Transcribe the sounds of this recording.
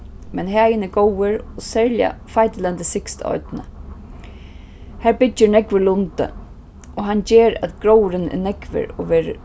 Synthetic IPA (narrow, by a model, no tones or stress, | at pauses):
mɛnɦæːjənɛɡowəɹɔsɛɹlja̰fajt̪ɪlɛnt̪ɪsɪkst̪ɔ̰ʏt̪nə̰ | hæːɹbɪd͡ʒənɛkʋəlʊnt̪ə̰ | ɔɦand͡ʑeːɾa̰t̪ɡ̥ɾowɾɪnɛ̰nɛkʋɪ̰ɾɔ̰ʋeːɾə̰